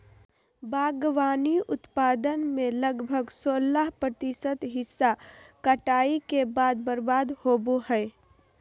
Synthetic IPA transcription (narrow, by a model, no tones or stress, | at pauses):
baːɡʋaːniʊt̪paːd̪ənmẽləɡbʱəɡsoːlaɦpɾət̪ɪsət̪ɦɪsːakəʈaːikebaːd̪̚bəɾbaːd̪hoːboɦɛɪ